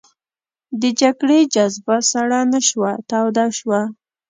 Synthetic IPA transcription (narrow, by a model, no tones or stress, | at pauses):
d̪əd͡ʒaɡɽed͡ʒazbasaɽanaʃwat̪awd̪aʃwa